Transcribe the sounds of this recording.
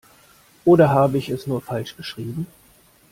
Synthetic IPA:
ʔoːɾɐɦaːbəɪçɛsnuːɐfalʃɡ̥əʃʁ̥iːbm̩

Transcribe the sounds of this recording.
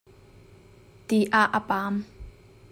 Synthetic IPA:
t̪iʔaʔəpaːm

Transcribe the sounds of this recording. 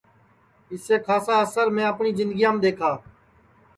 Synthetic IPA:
ɪseːkʰaːsãːəsəɾmẽːəpɳiːzɪ̃nd̪ɡijãːmːd̪eːkʰaː

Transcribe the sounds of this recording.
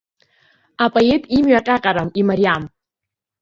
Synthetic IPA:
apʼoe̞tʼimɥaqʲʼaqʲʼaɾamimaɾiam

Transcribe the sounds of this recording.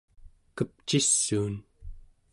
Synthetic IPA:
kəp̚t͡ʃisːuːn

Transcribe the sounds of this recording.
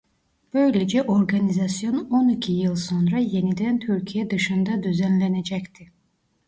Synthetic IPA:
b̥ø̞jled͡ʒɛʔo̞ɾɡɑnizɑsijo̞no̞nicʰijɯlˠso̞nɾɑje̞nid̪ænt̪ʰyɾcʰijɛd̪ɯʃɯnd̪ɑd̪yzænlænæd͡ʒæct̪ʰi

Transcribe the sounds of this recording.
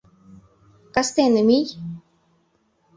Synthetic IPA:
kast̪enɨmij

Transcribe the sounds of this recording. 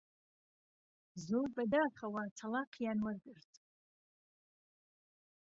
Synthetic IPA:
zobʼadaːχawat͡sʰalaqʰjanwarɡʼɨrtʼ

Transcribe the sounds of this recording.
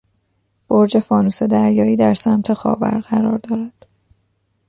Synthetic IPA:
b̥oɾd͡ʒe̞fɒːnuːse̞d̪æɾjɒːiːd̪æɾsæmt̪ʰe̞xɒ̰ːbæ̰ɾɢæɾɒːɾd̪ɒːɾæd̪̥

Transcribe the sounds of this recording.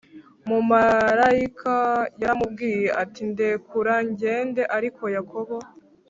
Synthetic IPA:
mumaɾaikʰajaɾamub̚ɡiːjeʔatinde̞kuɾaɲɟe̞ːnde̞ʔaɾikʰo̞jakʰoβo̞

